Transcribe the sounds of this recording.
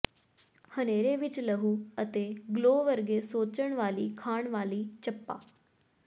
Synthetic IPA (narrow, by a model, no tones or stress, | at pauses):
həneːɾeːʋɪt͡ʃləɦuːət̪eːɡloːʋəɾɡeːsoːt͡ʃəɳ̃ʋaːliːkʰaːɳʋaːliːt͡ʃəpːa̰ː